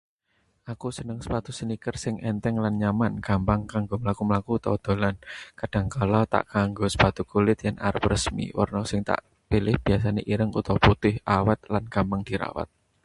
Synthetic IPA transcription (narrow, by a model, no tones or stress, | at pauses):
ʔakusənəŋsə̥pat̪usənikərsɪŋʔɛnt̪ɛŋlanɲamanɡ̥ampaŋkaŋɡoməlakuməlakut̪ɔ̰d̪̥o̤lankad̥a̤ŋkalat̪a̰ʔkaŋɡosə̥pat̪ukulɪt̪janʔaɾəp̚rəsmḭwə̰rnɔsɪŋt̪a̰ʔ | pilɪhb̥i̤as̬aneʔiɾəŋṵt̪ɔwput̪ɪhʔawat̪̚lanɡ̥ampaŋd̪̥iɾa̰wa̰t̪̚